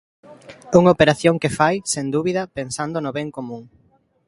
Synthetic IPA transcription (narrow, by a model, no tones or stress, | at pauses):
uŋopeɾaθjoŋkefajsend̪uβiðɐpensand̪onʊβɛŋkomũŋ